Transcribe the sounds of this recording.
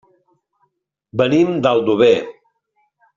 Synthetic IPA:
bənimd̪alˠd̪uβe

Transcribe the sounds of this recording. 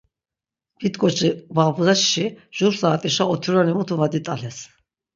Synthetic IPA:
b̥it̪kʼɔt͡ʃʰʼivabzaʃʃiʒ̥uɾsaːt̪ʼiʃaɔt̪ʰuɾanimut̪ʰuvad̪it̪ʼalɛs

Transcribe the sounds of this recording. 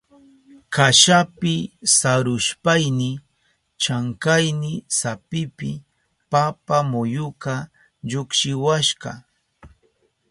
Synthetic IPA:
kaʃapɪsaɾʊʃpajnɪ | t͡ʃaŋkajnɪsapɪpɪ | papamʊjʊkɑ | ʎʊkʃɪwaʃɢɑ̰

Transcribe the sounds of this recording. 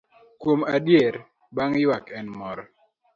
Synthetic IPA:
kwomadjeɾ | baŋjwakɛnmɔɾɔ

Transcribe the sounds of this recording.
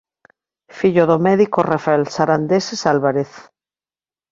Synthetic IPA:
fiʎoðomeðikorafelsaɾand̪esesalβaɾeθ

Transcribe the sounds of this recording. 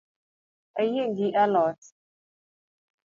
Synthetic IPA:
əjeŋɡiʔalɔt

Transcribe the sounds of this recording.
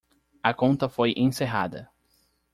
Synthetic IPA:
ɐkõnt̪ɐfojʔẽseɦa̰d̪ɐ̰

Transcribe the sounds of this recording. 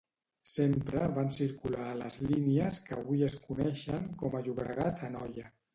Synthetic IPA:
sempɾəβansiɾkulaːlə̰zʎiniəskəːβuiəskunɛʃəŋkɔməʒuβɾə̰ɣat̪ʰənɔjə

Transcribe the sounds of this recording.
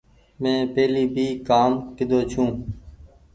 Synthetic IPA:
mɛ̃ːpeːliːbʱiːkaːmkɪd̪oːt͡ʃʰũː

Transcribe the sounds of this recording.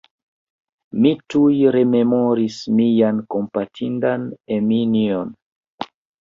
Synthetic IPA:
mitujɾe̞me̞moɾismijanko̞mpatʰindaneminion

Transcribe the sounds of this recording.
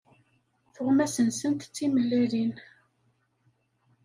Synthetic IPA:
θʊʁmæsənsənt̪t͡sːiməlːiɾin

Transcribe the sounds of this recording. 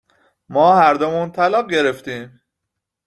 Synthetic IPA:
mɒːhæɾd̪omuːnt̪ʰælɒːɣ̚ɟe̞ɾe̞ft̪iːm

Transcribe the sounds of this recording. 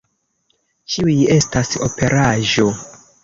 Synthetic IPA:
t͡ʃiuje̞staso̰pe̞ɾʔaʒo̞

